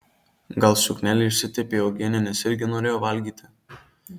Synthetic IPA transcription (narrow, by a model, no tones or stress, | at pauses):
ɡɐlˠsʲʊknʲæːlʲɪɪʃʲsʲɪt̪ʲepʲeːoːɡʲenʲɛnʲɛsɪɾʲɡʲɪnoːɾʲeːjoːʋɐlʲɡʲiːt̪ʲɪ